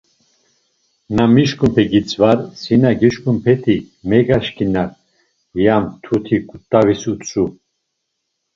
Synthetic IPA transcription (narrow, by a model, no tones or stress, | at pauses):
namiʃkʼumpʰɛɡit͡sʼvaɾsinaɡiʃkʼumpʰɛt̪ʰi | mɛɡaʃkinaɾ | jamt̪ʰut̪ʰikʼut̪ʼːavisut͡sʼu